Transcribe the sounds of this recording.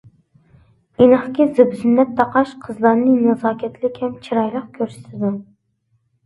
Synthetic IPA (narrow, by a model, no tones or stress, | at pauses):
inɑχkʲɪzɪbzɪnːɛt̪ʰːɑqɑʃqʰəzlˠɑɾnɨnɑzɑːkʲʰɛt̪ʰlɪkʲhɛmt͡ʃʰiɾɑjlˠəq̚kʲʰøɾsɪ̥t̪ʰɪd̪u